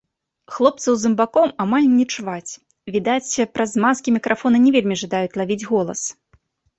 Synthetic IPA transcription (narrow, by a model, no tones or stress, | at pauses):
xlˠɔp̚t̪sɐwzɨmbakɔmamalʲnʲɛt͡ʂvat͡sʲ | vʲid̪at͡sʲpɾazmaskʲimʲikɾʔafɔnɐnʲɛvʲelʲmʲiʐɨd̪ajut͡sʲlˠavʲid͡zʲɣɔlˠɐ̰s